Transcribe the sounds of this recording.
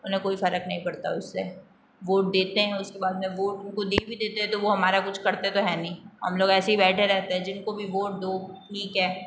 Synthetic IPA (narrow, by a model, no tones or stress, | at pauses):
ʊnɦẽkoːifɐɾəknɐɦĩpɐɽt̪a̰ʊsːe | ʋoːʈ̚d̪eːt̪eɦɛ̃ʊskebaːd̪mẽʋoːʈʊnkod̪eːbʱid̪eːt̪eɦɛ̃t̪oʋoɦɐmaːɾakʊt͡ʃʰkɐɾt̪eɛ̃t̪oɦɛːnɐɦĩɦɐmloːɡɛːseɦibɛːʈʰeɾɛɦt̪eɦɛ̃d͡ʒɪnkobʱiʋoːʈ̚d̪oːʈʰiːkɦɛː